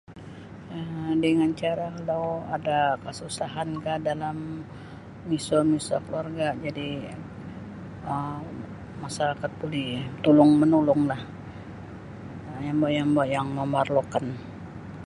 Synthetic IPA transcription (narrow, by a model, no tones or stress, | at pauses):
ədəŋant͡ʃaɾakalawadakəsusaɦankahdalamː | isomisa̰kəluarɡad͡ʒadi | ə | masaɾakat̪̚bulit̪ulʊŋmənulʊŋlah | jambajaŋbaʔjaŋməmarlokan